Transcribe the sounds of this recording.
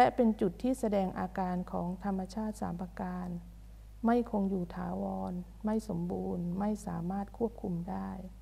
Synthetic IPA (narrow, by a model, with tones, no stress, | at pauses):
lɛ˦˥ʔpe˧nt͡ɕu˨˩t̪ʰːiː˥˩sa˧dɛː˧ŋʔaː˧kaː˧nkʰɔː˩˦ŋt̪ʰa˧mːa˧t͡ɕʰaː˥˩t̪̚sa̰ː˩˦mʔa˧kaː˧n | ma˥˩jkʰo˧ŋjuː˨˩t̪ʰaː˩˦wɔː˧n | ma˥˩jso˩˦mbuː˧nma˥˩jsa̰ː˩˦maː˥˩t̪̚kʰu˥˩əp̚kʰu˧mdaː˥˩j